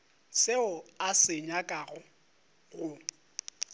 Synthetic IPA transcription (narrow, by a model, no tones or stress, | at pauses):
sɪʊasɪɲakʼaɣʊ | ɣʊ